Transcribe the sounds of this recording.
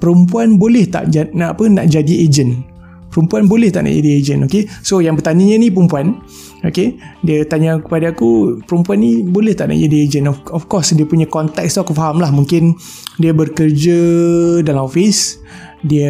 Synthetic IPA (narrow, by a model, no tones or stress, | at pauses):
pəɾəmpuanbolɛht̪a̰ʔd͡ʒanaʔpəna̰ʔd͡ʒadied͡ʒən | pəɾumpuanbolɛht̪a̰ʔna̰ʔd͡ʒadied͡ʒənokesojãŋpət̪aɲaɲanĩpəɾumpuan | okediət̪aɲakə̥padaːkupəɾəmpuanːibolɛht̪aʔna̰ʔd͡ʒadied͡ʒənɔɔfkɔsdiəpuɲakɔnt̪ɛkst̪uakufaɦamlahmũŋkɪn | diəbərkərd͡ʒədalamɔfis | diə